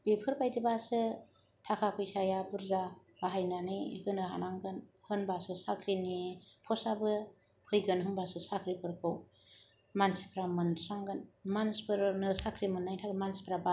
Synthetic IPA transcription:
b̥ipʰɯɾbajdibasɯ | tʰakʰapʰɯjsajabɯɾza | b̥aɦajnanɯjhɯnɯɦa̰naŋɡɯnhɯnbasɯsakʰɾinipʰɔsabɯ | kʰɯjɡɯnɦɯnbasɯsakʰɾipʰɯɾkʰɯw | mansi̥pʰɾamɯnsaŋɡɯnmanspʰɯɾnɯsakʰɾimɯnːajtʰaɡɯmansi̥pʰɾaba

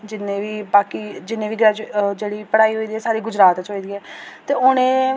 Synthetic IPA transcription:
d͡ʒɪnẽːʋiːbaːkiːd͡ʒɪnːẽːʋiːɡɾaːd͡ʒd͡ʒeːɽiːpəɽaːiːɦoːiːd̪iːɛːsaːɾiːɡʊd͡ʒɾaːt̪t͡ʃoːiːd̪iːɛːt̪eːʊnẽː

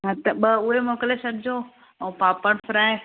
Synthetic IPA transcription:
ɦãt̪ɐɓəʊɦemoːkəlesɐɾd͡ʑoː | ɛ̃ːpaːpəɽ̃fʰɾaːe

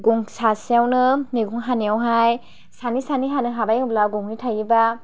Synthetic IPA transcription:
ɡuŋsasijawnɯniɡuŋɦaniawɦaj | sanisaniɦanɯɦabajɯblaɡɔŋnitʰajiba

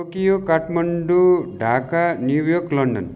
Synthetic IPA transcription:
okijokaʈmɐɳɖuɖʱakaniwjoklʌɳɖʌ̰n

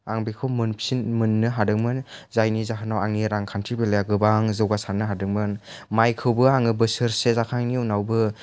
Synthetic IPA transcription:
aŋbikʰɯwmɯnpʰsinmɯnːɯɦadɯŋmɯnzajnizaɦʰɯnawaŋiɾaŋkʰantʰɾibelejaɡɯbaŋzɯwɡasanɯɦadɯŋ̚mɯnmajkʰɯwbɯaŋɯbɯsɯɾsezakʰaŋniunawbɯ

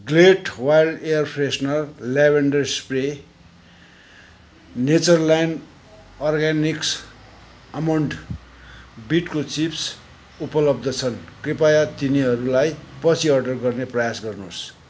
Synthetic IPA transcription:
ɡleʈwajlɖejʌrpʰresnʌrlebʱeɳɖʌrspre | net͡sʌrlajn | ɔrɡaniks | ʌmawɳʈ | biʈkot͡sips | upʌlʌb̚d̪ʌt͡sʰʌnkripajat̪iniɦʌɾulajpʌt͡sʰiʌrɖʌrɡʌrneprʌjasɡʌrnos

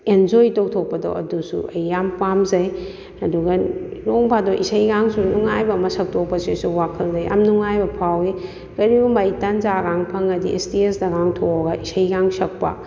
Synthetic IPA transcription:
end͡ʒojtok̚tʰok̚pɐdo̰ʔɐdusṵʔɐjːampamzɐj | ɐduɡɐloŋbʰadoʔisɐjɡaŋsunuŋajbɐmɐsɐk̚tʰok̚pɐsisuwakʰɐlzɐja̰mnuŋajbɐpʰawi | kɐɾibumbɐjtɐnzaɡaŋpʰɐŋɐdiʔestiesdɐɡaŋtʰoɡɐʔisɐjɡaŋsɐk̚pɐ̰

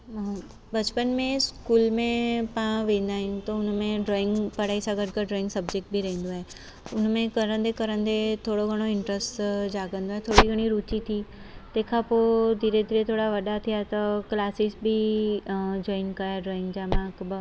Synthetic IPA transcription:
bɐt͡ʃpənmẽskuːlmẽpãːʋẽːnd̪aːɦɪ̃nt̪oʊnmẽɖɾoːɪ̃ŋɡpɐɽaːisaɡəɾkəɖɾɔːɪ̃ŋɡsɐbd͡ʒek̚ʈ̚bʱiɾɐɦẽnd̪oɦɛː | ʊnmẽkɐɾə̃nd̪ekɐɾə̃nd̪et̪ʰoːɽoɡʱəɽ̃oɪ̃ɳʈɾəsʈd͡ʒaːɡə̃nd̪oɦɛt̪ʰoːɽiɡʱəɽ̃iɾuːt͡ʃit̪ʰi | t̪eːkʰapod̪ʱiːɾed̪ʱiːɾet̪ʰoːɽaʋɐɗat̪ʰijat̪ɐklaːsisbʱi | d͡ʒɔːɪnkaaɖɾɔːɪ̃ŋɡd͡ʒaːmãkbə

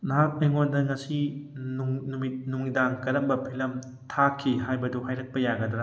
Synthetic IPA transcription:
naɦak̚mɐjŋondɐŋɐsinuŋnumit̚nuŋidaŋkɐɾɐmbɐpʰilɐm | tʰakʰːiɦajbɐduɦajɾɐk̚pɐjaɡɐdɾa

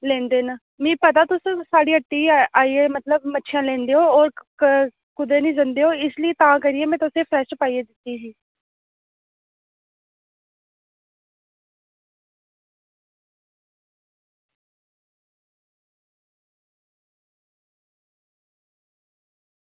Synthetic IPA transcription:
lẽːnd̪eːnə | mẽːpət̪aːt̪ʊssaːɽiːəʈːiːaːiːeːmət̪ləbmətːʃʰjãːlɛ̃ːnd̪eːoːɔːɾ | kʊd̪eːnĩːd͡ʒənd̪eːɦoːɪslɪeːt̪ãːkəɾiːeːmɛ̃ːt̪ʊsẽːpʰɾɛːʃpaːieːd̪ɪt̪ːiːsiː

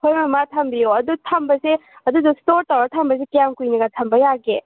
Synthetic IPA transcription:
hʰojmɐmatʰɐmbijoɐdutʰɐmbɐseɐdudustoɾtawɾatʰɐmbɐs̬ekijamkujniɡatʰɐmbɐjaɡe

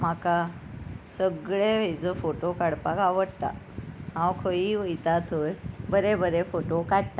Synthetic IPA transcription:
m̤aka | səɡɭeʋed͡zəfoʈokaɽpakaʋəɽt̪a̰ | ɦãwkʰəiʋəjt̪at̪ʰojbəɾebəɾefoʈokaɽt̪a

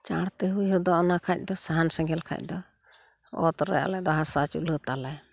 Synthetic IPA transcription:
t͡ʃaɽt̪ɛɦujɦɔd̪ɔʔɔnakʰac̚ˀd̪ɔsaɦansɛŋɡɛlkʰa̰c̚ˀd̪ɔ | ɔ̰t̪ɾɛ̰a̰lɛd̪ɔɦasat͡ʃṵʔlət̪alaj

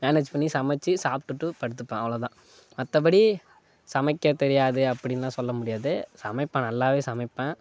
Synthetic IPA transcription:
meːneːd͡ʒpɐɳːisɐmɛt͡ʃːisaːpʈːɯʈːɯpɐɽɯt̪ːɯpːẽɐʋɐɭoːt̪ãː | mɐt̪ːɐp̬ɐɽi | sɐmɐɪkːɐt̪ɛɾɪjaːðɯɐpːɐɽɪnːãːsɔlːɐmʊɽɪjaːðɯsɐmɐɪpːɐ̃ːnɐlːaːʋeːsɐmɐɪpːɛ̃ː

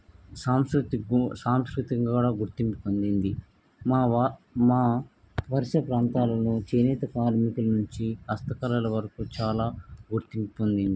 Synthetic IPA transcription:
saːmskɾut̪isaːmskɾit̪iŋuːɽaːɡuɾt̪impupond̪ind̪i | maːmaː | ʋɐɾiʃɐpɾaːnt̪aːlɐnut͡ʃeːnɛːt̪ɐkaːɾmikulɐnuɲt͡ʃiɐst̪ɐkɐlɐlɐʋɐɾɐkut͡ʃaːlaːɡuɾt̪imppond̪ind̪i

